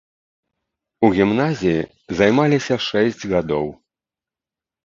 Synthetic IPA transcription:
uɣʲimnazʲiji | zajmalʲisʲɐʂɛsʲd͡zʲɣad̪ɔw

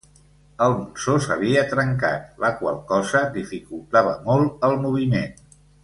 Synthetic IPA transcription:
əlˠmunsosəβ̞iət̪ɾəŋka̰t̪̚ləkwa̰lˠkɔzəd̪ifikulˠt̪aβəmolˠəlˠmuβ̞imen

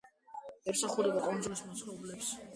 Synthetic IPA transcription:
ɛmsaχuɾɛbakʼɔnd̪zulismat̪sʰɾɔɛblɛps

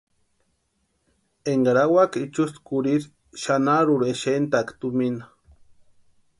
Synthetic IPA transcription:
eŋɡaɾawakit͡ʃust̪kuɾiɾ | ʃanaɾuɾeʃent̪akt̪umina

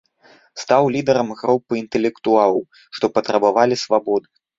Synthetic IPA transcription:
st̪awlʲid̪ɛɾɐmɣɾupːɨint̪ɛlʲɛkt̪ualˠɐw | ʂt̪ɔpɐt̪ɾɐbavalʲisvabɔd̪ɨ

